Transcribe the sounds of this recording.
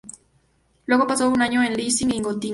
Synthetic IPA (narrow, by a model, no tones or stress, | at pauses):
leɣopasounaɲoenlisiŋiŋɡot̪i